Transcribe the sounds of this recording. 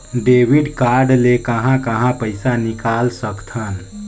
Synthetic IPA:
ɖeːʋiɖkaːɾɖlekəɦãkəɦãpəɪsanɪkaːlsəkt̪ʰən

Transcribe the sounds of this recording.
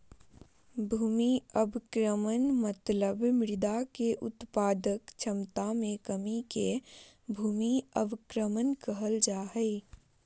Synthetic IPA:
bʱuːmiəbkɾəmənmət̪ləbmɪɾɪd̪akeʔʊt̪paːd̪əkt͡ʃʰəmt̪amẽkəmike | bʱuːmiəbkɾəmənkəɦəld͡ʒaːɦɛɪ

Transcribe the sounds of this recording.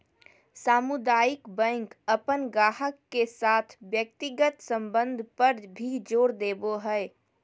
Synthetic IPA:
saːmʊd̪aːjɪkbɛ̃ŋkəpənɡaːɦəkːesaːt̪ʰʋjək̚t̪ɪɡət̪sə̃mbə̃nd̪ʱpəɾbʱid͡ʒoːɽd̪eːboɦɛɪ

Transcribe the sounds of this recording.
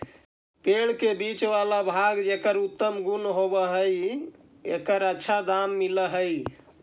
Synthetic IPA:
peɭkebit͡ʃʋalabʱaɡd͡ʒekəɾut̪ːəmɡunɦobəɦəj | ḛkəɾətːʃʰad̪amːiləɦəj

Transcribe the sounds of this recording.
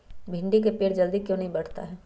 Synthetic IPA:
bʱɪ̃ɳɖikepeːɽd͡ʒɐld̪ikjõːnɐɦĩbɐɽ̤t̪a̰ɦɛː

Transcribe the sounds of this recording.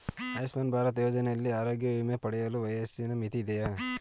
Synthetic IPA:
ɐjsmɐːnbʱaːɾɐt̪joːd͡ʒɐnejɐlːiaːɾoːɡjɐʋumepɐɽɛjɐluʋɐjɐsinɐmit̪id̪ɛja

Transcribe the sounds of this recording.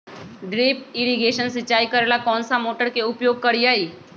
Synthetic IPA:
ɖɾeːpɪɾiɡeːʃənsɪt͡ʃːaːikəɾeːlakɔːnsamoːʈəɾkeʊpjoːɡ̚kəɾiaːiː

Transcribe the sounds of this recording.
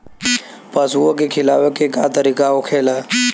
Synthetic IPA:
pəsuəkekʰɪla̰ːʋekekaːt̪əɾikaokʰeːlaː

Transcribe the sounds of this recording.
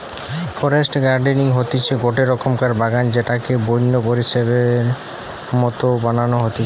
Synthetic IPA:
fʰɔɾesʈɡaɾɖeniŋɦot̪it͡ɕʰeɡoʈeɾɔkʰomkaɾbaɡand͡ʑeʈakebojnːopoɾiʃeβeɾ | mɔt̪obananoɦot̪i

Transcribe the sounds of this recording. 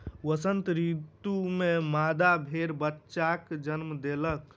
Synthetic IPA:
ʋəsənt̪ɾit̪umemad̪abʱeɾbətːʃakd͡ʒənmd̪elək

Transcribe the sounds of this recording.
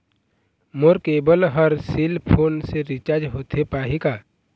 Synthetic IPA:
moɾkeːbəlɦəɾsilpʰoːnseɾit͡ʃaːɾd͡ʒɦoːt̪ʰepaːɦikaː

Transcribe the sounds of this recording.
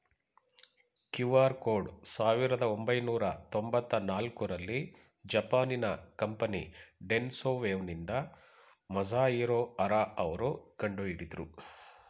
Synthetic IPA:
kjuʋaːɾkoːɖsaːʋiɾɐd̪ɐombɐjnuːɾɐt̪ombɐt̪ːɐnaːlkuɾɐlːi | d͡ʒɐpaːninɐkɐmpɐnḭɖensoːʋeːʋnind̪ɐ | mɐzaːiːɾoːɐɾaɐʋɐɾoːɡɐɳɖoiɽit̪uɾu

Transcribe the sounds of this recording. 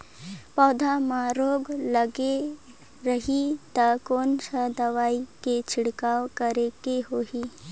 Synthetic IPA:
pɔːd̪ʱamãɾoːɡləɡe | ɾəɦit̪əkoːnsəd̪əʋaːiket͡ʃʰɪɽkaːwkəɾekeɦoːɦi

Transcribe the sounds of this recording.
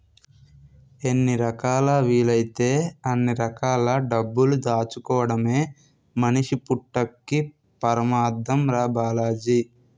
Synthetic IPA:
enːiɾɐkaːlɐʋiːlɐjit̪e̞ːɐnːiɾɐkaːlɐɖɐbːulud̪aːt͡ʃukɔːɐɽɐme̞ː | mɐniʂipuʈːɐkːi | pɐɾɐmaːd̪ɐmɾaːbaːlaːd͡ʒi

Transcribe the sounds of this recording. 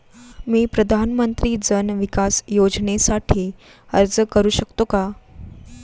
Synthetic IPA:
miːpɾəd̪ʱanmənt̪ɾiːd͡zənʋikasjod͡znesaʈʰiː | əɾd͡zəkəɾuːɕəkt̪oka

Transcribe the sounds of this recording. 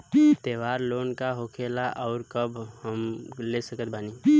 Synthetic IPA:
t̪eːʋaːɾloːnkaɦoːkʰeːlaʔɔːɾkəbʱhəmlesəkət̪̚bʱaːniː

